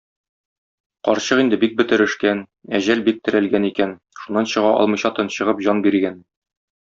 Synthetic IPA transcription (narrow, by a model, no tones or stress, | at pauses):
qɒɾɕɤqind̪ɘbik̚bɘ̆t̪ɘ̆ɾɘ̆ʃkæn | æʑælbik̚t̪ɘ̆ɾælɡænikæn | ʃunːɑnɕɤ̆ʁɑʔɒ̰lˠmɤ̆jɕɑt̪ɤ̆nɕɤ̆ʁɤpʑɒnbiɾɡæn